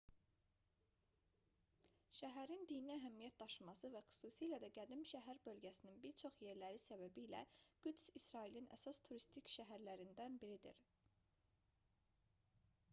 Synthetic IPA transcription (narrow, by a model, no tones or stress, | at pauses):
ʃæɦæɾind̪iniæɦæmijæt̪̚d̪ɑʃɯmɑsɯvæxy̥suːsiːlæd̪æɡæd̪imʃæɦæɾbø̞lɟæsininbiɾt͡ʃʰo̞χje̞ɾlæɾisæbæbilæ̰ɡ̥ud̪sisɾɑilinʔæ̰sɑst̪ʰuɾist̪ʰicʃæɦæɾlæɾind̪ænbiɾid̪ḭɾ